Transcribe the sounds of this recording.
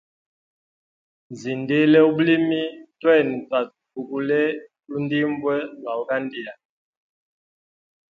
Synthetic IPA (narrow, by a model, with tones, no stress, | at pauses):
nzi˨nde˦lɛ˦u˦bu˦li˦mi˦twɛ˦˨n˨ta˨ | u˨ku˦lɛ˦ | lu˦n˦di˦mbwɛ˦ba˨u˨ka˦ndi˨a˨